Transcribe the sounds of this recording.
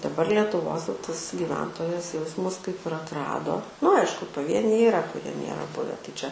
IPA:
dɐˈbɐr lʲiɛtʊˈʋoːs jɛʊ ˈtɐs ɡʲiːˈʋʲɛntoːjɛs jɛʊ ˈjɪs ˈmʊs kɐɪp ɪr ɐtˈrɑːdoː nʊ ˈɐɪʃkʊ pɐˈʋʲiɛnʲɛɪ iːˈrɐ kʊˈrʲiɛ ˈnʲeːrɐ ˈbʊʋʲɛ tɐɪ t͡ʃʲɛ

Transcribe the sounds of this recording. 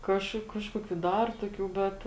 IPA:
ˈkɑːʃkʊ ˈkɑːʃkoːkʲʊ ˈdɐr toːˈkʲuː ˈbʲɛt

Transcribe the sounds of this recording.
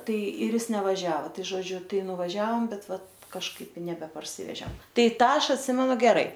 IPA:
ˈtɐɪ ɪr ˈɪs nʲɛʋɐˈʒʲæːʋɐ ˈtɐɪ ʒoːˈd͡ʒʲʊ ˈtɐɪ nʊʋɐˈʒʲɛoːm ˈbʲɛt ˈʋɐt kɐʃˈkɐɪp ɪ nʲɛbʲɛpɐrʲˈsʲɪʋʲɛʒʲɛm ˈtɐɪ ˈtɑː ˈɐʃ ɐtʲˈsʲɪmʲɛnʊ ɡʲɛˈrɐɪ

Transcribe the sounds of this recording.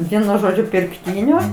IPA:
ˈʋʲiɛnʊ ˈʒoːd͡ʒʲʊ pʲɪrkˈtʲiːnʲoː

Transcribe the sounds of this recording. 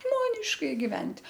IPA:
ˈʒmoːnʲɪʃkɐɪ ɡʲɪˈʋʲɛnʲtʲ

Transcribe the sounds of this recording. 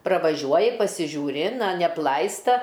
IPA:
prɐʋɐˈʒʲuɔjɪ pɐsʲɪʒʲuːˈrʲɪ ˈnɐ nʲɛɐpˈlˠɐɪstɐ

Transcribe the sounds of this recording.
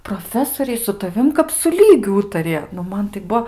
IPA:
proːˈfʲæːsoːrʲɛɪ sʊ tɐˈʋʲɪm kɐp sʊ ˈlʲiːɡʲʊ ˈuːtɐrʲɪjɛ nʊ ˈmɐn tɐɪ ˈbuɔ

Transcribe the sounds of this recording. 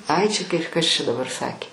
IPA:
ˈɐɪ t͡ʃʲɛ kɐɪ ˈkɐs t͡ʃʲɛ dɐˈbɐr ˈsɑːkʲeː

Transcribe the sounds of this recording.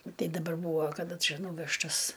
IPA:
nʊ ˈtɐɪ dɐˈbɐr ˈbuːʋoː kɐˈdɐ ˈt͡ʃʲɛ ˈnuːʋʲɛʃtɐs

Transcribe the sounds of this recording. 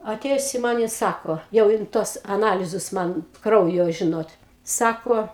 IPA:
ɐˈtʲeːjʊs ɪ ˈmɐn ɪ ˈsɑːkoː jɛʊ ˈjɪn ˈtuɔs ɐˈnɑːlʲɪzʊs ˈmɐn ˈkrɐʊjoː ˈʒʲɪnoːt ˈsɑːkoː

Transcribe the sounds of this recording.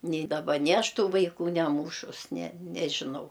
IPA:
nʲɪ dɐˈbɐ nʲɪ ˈɐʃ ˈtuː ʋɐɪˈkuː nʲɛˈmuːʃʊs nʲɛ nʲɛʒʲɪˈnɐʊ

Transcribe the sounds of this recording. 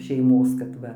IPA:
ʃʲɛɪˈmoːs kɐt ˈʋɐ

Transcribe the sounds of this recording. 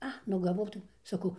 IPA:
ˈɐ nʊ ɡɐˈʋɐʊ tɐɪ sɐˈkɐʊ

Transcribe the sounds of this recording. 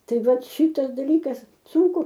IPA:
ˈtɐɪ ˈʋɐt ˈʃʲɪtɐs dɐˈlʲiːkɐs ˈsʊŋkʊ

